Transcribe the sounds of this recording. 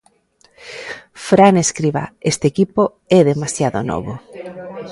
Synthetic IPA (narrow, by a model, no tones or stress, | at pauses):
fɾaneskɾiβa̰est̪eːkipo | ɛðemasjaðo̰nɔ̰βo